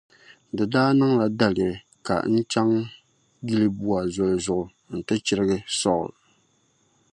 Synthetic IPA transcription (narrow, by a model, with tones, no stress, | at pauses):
dɨ˨daː˦nɨ˦ŋla˨da˨lɪ˨ɾɨ˨ | ka̰˨n̩˦t͡ʃa˦ŋ | ɡi˦lɨ˦bu˦a˨zʊ˨lzʊ˨ʔʊ˨ | n̩˨tɨ˦t͡ʃɪ˦ɾɨ˦ɡɨ˦sɔ˦˨ʊ̰˨l